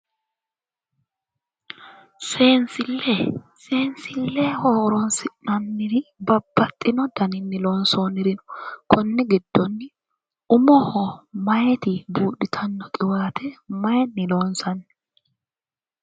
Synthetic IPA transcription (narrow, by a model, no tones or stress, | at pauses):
seːnsɪlːe | se̞ːnsɪlːeːhoːɾɔnsɪnɐnːɪɾɪbɐbːɐt̪ʼːɪnɔd̪ɐnɪnːɪlo̞ːnsoːnɪɾɪnʊ̥kʰʊnːɪɡɪd̪̥ːɔnːɪ | ʊmɔhɔmɐjɛt̪ɪbuːᶑɪt̪ʰɐnːɔkʼɪwaːt̪ʰɛmɐjɛnːɪlo̞ːnsɐnː